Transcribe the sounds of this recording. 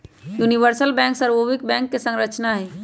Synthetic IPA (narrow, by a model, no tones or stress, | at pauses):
juniʋəɾsəlbɛ̃ːŋksəɾbobik̚bɛ̃ːŋkːesə̃ŋɡɾət͡ʃnaɦɛː